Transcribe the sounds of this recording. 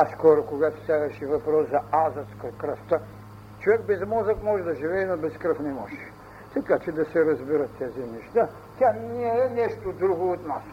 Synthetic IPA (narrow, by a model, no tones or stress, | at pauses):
skɔɾokoɡat̪o̥sʲavɛʃivɐpɾɔszɐazɐt̪skɐkɾəft̪ə | t͡ʃovɛk̚bɛzmɔzɐkmɔʒɛd̪ɐʒivɛːnobɛskɾəfnɛmɔʒɛ | t̪ɐkat͡ʃɛd̪ɐsɛɾɐzbiɾɐt̪ːɛzinɛʃt̪a | t̪ʲanɛɛnɛʃt̪od̪ɾuɡoːt̪nas